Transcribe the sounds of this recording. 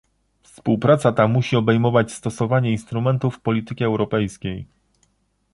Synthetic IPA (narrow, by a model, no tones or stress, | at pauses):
fspuwpɾat̪sat̪amuɕiɔbɛjmɔvat͡ɕst̪ɔsɔvaɲɛinst̪ɾumɛnt̪ufːpɔlʲit̪ɘkʲɛɛwɾɔpɛjskʲej